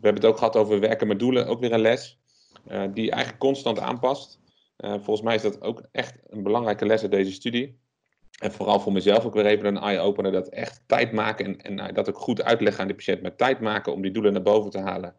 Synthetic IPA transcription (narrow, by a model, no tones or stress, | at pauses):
ʋəɦɛbənətowkχəɦɑtowvəɹʋɛɹkəmɛdulənʔo̰wkʋɪːɹənlɛs | diʔɛ̰jχənləkːɔnstɑnta̰ːnpɑst | ʔvɔlˠχənsmɛjɪzdɑto̰wkʔɛχtənbəlɑŋrɛjkəlɛsədejzəstydi | ɛnvʊːrɑlˠvʊːɹmɛzɛlˠfokʋɪːlˠejvənənʔɑjowpənədɑtɛχtːɛ̰jtmaːkənɛ̰n̰dɑtokχutœ̰ɥtlɛχəaːndipḁʃɛntmatɛjtmaːkəɔ̰mdidulənaːɹbowvəntəɦa̰ːlən